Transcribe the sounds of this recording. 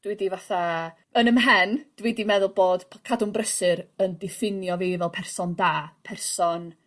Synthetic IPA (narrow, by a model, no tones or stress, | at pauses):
d̥widivaθa | ənəmɦɛnd̥widimɛðʊlˠboːd̥ʰkʰadʊmbrəsɨɾəndɪfɪnjɔviːvɛlˠpʰɛrsɔndaːpʰɛrsɔn